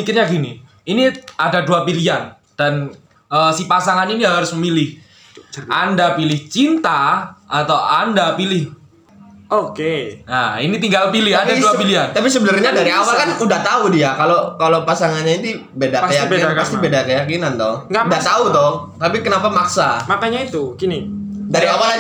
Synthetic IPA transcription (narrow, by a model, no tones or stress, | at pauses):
ikɪrɲaɡini | iniadaduapilian | d̥an | əsipasaŋaniniɦaɾʊsməmilɪh | andapilɪht͡ʃint̪aat̪awandapilɪh | okeainit̪iŋɡalpilɪandaduapiliant̪apis̬əbənərɲadaɾiawakanudaht̪audiakalokalopasaŋanɲait̪i | bedaəjaknast̪ibedakəjakinant̪ɔhudaht̪aut̪oht̪apikənapamaksamakaɲait̪ukinidaɾiawaka